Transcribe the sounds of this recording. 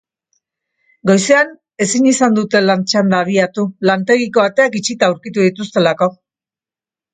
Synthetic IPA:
ɡo̞jsean | e̞siɲisand̪ut̪e̞lant͡ʃand̪aːβiat̪ulant̪e̞ɣiko̞βat̪e̞akit͡ʃit̪auwɾkit̪uðit̪ust̪e̞lako̞

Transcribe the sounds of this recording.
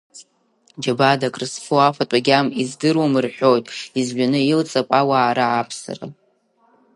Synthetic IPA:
d͡ʒabadakʼrɨsfɨafatʷʼaɡʲamizdɨrwamɨrħʷᶣo̞jtʼizʒʷᶣanɨjilt͡sʼapʼawaːɾaʕapʰsa̰ra̰

